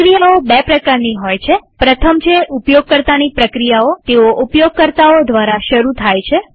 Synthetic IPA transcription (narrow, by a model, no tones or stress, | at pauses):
kɾijaobepɾəkaɾniɦojt͡ʃʰepɾət̪ʰəmt͡ʃʰeʔupjoɡ̚kəɾt̪anipɾəkɾijaot̪eoʔupjoɡ̚kəɾt̪aod̪ʋaɾaʃəɾut̪ʰajt͡ʃʰe